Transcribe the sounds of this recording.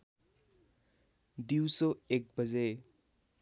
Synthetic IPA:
d̪iwsoek̚bʌd͡ze

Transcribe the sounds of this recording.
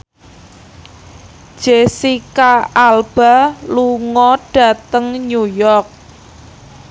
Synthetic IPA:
ʒ̥esikaalb̥aluŋɔɖ̥a̤t̪əŋɲujɔrk̚

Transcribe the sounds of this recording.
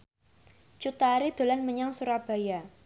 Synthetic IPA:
t͡ʃut̪aɾid̪̥o̤lanməɲaŋsuɾab̥a̤ja

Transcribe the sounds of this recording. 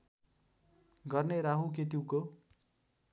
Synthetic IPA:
ɡʌrneɾaɦuket̪iwko

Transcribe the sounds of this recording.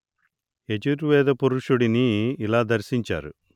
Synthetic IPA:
e̞t͡ʃuɾuʋɛːd̪ɐpuɾuʂuɽiniːlaːd̪ɐɾsiɲt͡ʃa̰ːɾu

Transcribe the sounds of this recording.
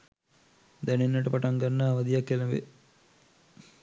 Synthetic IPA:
d̪ɛnenːɐʈəpaʈɐŋɡanːaːʋɐd̪ijakːelɐʋḛ

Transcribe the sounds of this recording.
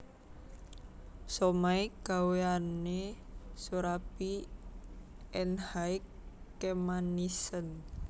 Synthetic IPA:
sɔmaiɡ̥a̤weanesuɾapi | ɛnhaɪkː | emanisən

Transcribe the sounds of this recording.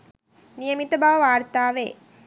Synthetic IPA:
nijəmit̪əbaʋəʋaːrt̪aːʋḛ

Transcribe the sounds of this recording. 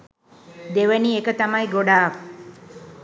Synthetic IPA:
d̪eʋəniekət̪amɐjɡoɖaːk

